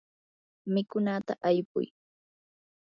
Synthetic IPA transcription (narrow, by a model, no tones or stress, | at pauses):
mɪkʊnat̪aʔajpʊ̰j